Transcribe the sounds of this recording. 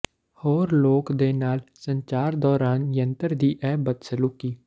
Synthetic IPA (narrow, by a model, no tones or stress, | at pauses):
hoːɾloːkd̪eːnaːlsə̃ɲt͡ʃaːɾd̪ɔːɾaːnjə̃nt̪əɾd̪iːʔɛːbət̪səlukːiː